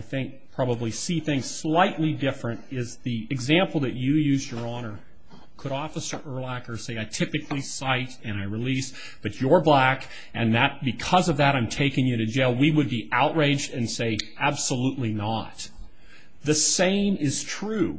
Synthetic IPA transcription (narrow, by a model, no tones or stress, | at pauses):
ɪθɪ̃ŋk̚pʰɹ̥ɑbəblisiθɪ̃ŋz̥slaɪʔˡlidɪfɹɨ̃ntɪzðiɨɡzæ̃mpl̩ˠðɨt͡ʃɨjʉzjə˞ɑñə˞ | kʰəɾɔfəsə˞ʔə˞lækə˞seɪaɪtʰɪpɨkʰlisaɪɾɨ̃ñaɪɹɨlis | b̥ʌt͡ʃə˞blæk | ʔɨ̃nðɨt̚b̥ɨkʰʌzʌvðɨɾãɪ̃mtʰeɪkɪ̃ŋjɨɾɨd͡ʒeɪlˠwiwɨd̚biʔaʊʔ̚ɹeɪd͡ʒdɨ̃nseɪæb̥səluʔˡlinət̪̚ | ðɨsẽɪ̃mɪz̥tʰɹ̥ʉ